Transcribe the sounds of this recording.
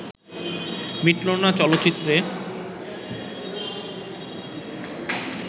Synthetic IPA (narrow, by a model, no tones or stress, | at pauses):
miʈlonat͡ɕɔlot̪ːt͡ɕit̪ːɾe